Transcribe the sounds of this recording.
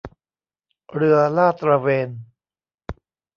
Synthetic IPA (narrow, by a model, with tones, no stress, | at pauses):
ɾɯ˧ɐlaː˥˩t̪ɾa˧weː˧n